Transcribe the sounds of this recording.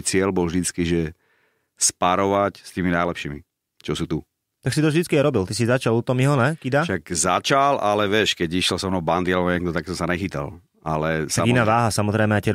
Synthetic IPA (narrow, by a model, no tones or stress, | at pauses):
jt͡sɪɛlbɔlvʒd̪it͡skiʒɛ | spaɾɔʋacst̪iːminajlɛpʃiːmḭ | t͡ʃɔsuːt̪u | t̪aksit̪ɔvʒd̪it͡skiajɾɔbilt̪isizat͡ʃalut̪ɔmiɦɔnɛkid̪aʃakza̰t͡ʃalʔalɛʋɪɛʃkɛɟiʃɛlsɔmnɔband̪ilɔɲɛɡ̚d̪ɔt̪aksɔmsanɛxit̪a̰l | alɛsaɡinaːʋaːɦasamɔzɾɛjmɛaɪjtɛɾ